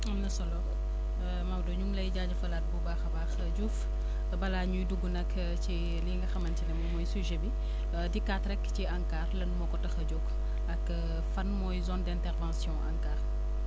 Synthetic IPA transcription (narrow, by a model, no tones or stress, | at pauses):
ɐmnɐsɔlɔbɔ | mawdɔɲuŋlɐjɟaːɟɐfɐlat̚bubaːxɐbaːxɐɟuːf | bɐlaɲujduɡːunɐk | ci | liːŋɡɐxɐmɐncinɛmdumɔjsuʒebi | dikatɾɛkːciɐŋkaːrlɐnmɔkɔtɐxɐɟuk | ɐk | fɐnmɔjzɔndɛ̃ntɛrvãnsjɔ̃ʔɐ̰ŋkaːr